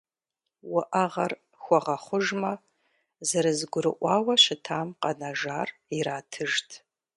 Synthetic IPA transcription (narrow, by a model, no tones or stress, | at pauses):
wɐʔɐʁɐr | xʷɔʁɐχʷʊʒmɐ | zɐɾɨzɡʷʊɾɨʔʷɑːwɐɕɪtʰaːmqɐnɐʒaːriɾaːtʰɨʒtʰ